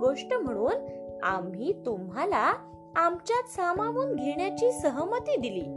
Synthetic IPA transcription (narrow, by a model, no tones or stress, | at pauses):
ɡoʂʈəm̤əɽ̃uːna̰mɦiːt̪umɦala | amt͡ɕjat̪samaʋuːnɡʱeɳjat͡ɕiːsəɦəmət̪iːd̪iliː